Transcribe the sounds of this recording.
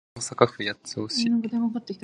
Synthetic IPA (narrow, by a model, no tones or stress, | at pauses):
osakaɸɯ̟jat͡soɕinaɡod̪emokat̪ːekʲi̥t̪